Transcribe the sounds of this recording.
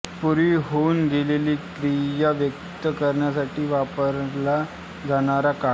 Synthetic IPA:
puɾiːɦounɡeleliːkɾijaʋjək | t̪əkəɾɳjasaʈʰiːʋapəɾla | d͡zaɽ̃aɾaka

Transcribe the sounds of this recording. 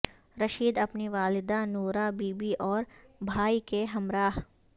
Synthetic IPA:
ɾɐʃiːd̪ɐpniʋaːlɪd̪anoːɾabiːbiʔɔːɾbʱaːikeɦɐmɾaːɦ

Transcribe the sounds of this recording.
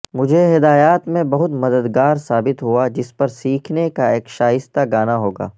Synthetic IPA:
mʊd͡ʒʱeɦɪd̪aːjaːt̪mẽbɐɦʊt̪mɐd̪əd̪ɡaːɾsaːbɪt̪ɦuad͡ʒɪspɐɾsiːkʰnekaeːkʃaːɦɪst̪aɡaːnaɦoːɡa̰ː

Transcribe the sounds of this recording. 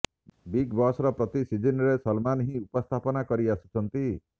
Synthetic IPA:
biɡbɔsɾɔpɾɔt̪isid͡ʒinɾesɔlmanɦĩupɔst̪ʰapɔnakɔɾiasu̥t͡ʃʰɔnt̪i

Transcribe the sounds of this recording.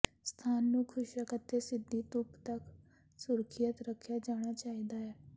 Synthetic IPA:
st̪ʰaːnːukʰʊʃjəkət̪ːesɪd̪ʱːit̪upt̪ək | suɾkʰijət̪ɾəkʰjad͡ʒaɽ̃at͡ʃaːɦid̪aɦɛ

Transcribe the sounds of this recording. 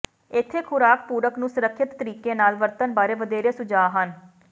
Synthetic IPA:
ɪt̪ʰːeːkʰʊɾaːkpuːɾəknũːsʊɾəkʰʃɪt̪ːəɾiːkeːnaːlʋəɾt̪ənbaːɾeːʋəd̪eːɾeːsʊd͡ʒaːɦən

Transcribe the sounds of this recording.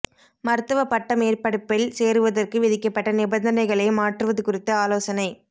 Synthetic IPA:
mɐɾɯt̪ːɐʋɐpɐʈːɐmeːrpɐɽɯpːɪlseːɾɯʋɐðɐrkɯʋɪðɪkːɐpːɐʈːɐnɪbɐnd̪ɐnɐɪɣɐɭɐɪmaːʈrɯʋɐðɯkʊrɪt̪ːɯaːloːsɐnɐɪ

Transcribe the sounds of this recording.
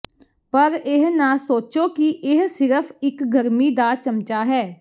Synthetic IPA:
pəɾɪɦnãːsoːt͡ʃoːkɪʔɪɦsɪɾəpʰɪkɡəɾmiːd̪aːt͡ʃəmt͡ʃaːɦɛː

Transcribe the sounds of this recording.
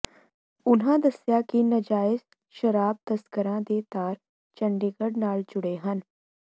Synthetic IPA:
ʊnɦãːd̪əsjaːkinəd͡ʒaːɪz | ʃəɾaːb̚t̪əskəɾãːd̪eːt̪aːɾ | t͡ʃəɳɖeːɡəɖnaːld͡ʒʊɽeːɦən

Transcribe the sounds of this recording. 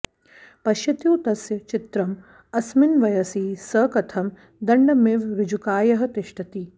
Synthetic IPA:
pɐʃjɐt̪juːt̪ɐsjɐt͡ʃit̪ɾɐm | ɐsminʋɐjɐsiːsɐːkɐt̪ʰɐm | d̪ɐɳɖɐmeːʋɾɪd͡ʒukaːjɐɦɐt̪ɪʂʈɐt̪i

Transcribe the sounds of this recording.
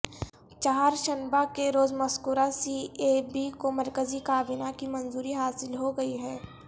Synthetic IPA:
t͡ʃaːɾʃɐnbakeɾoːzmɐskʊɾasiːeːbikomɐɾkəzikaːbɪnakimɐ̃nzuːɾiɦaːsɪlɦoɡɐiɦɛː

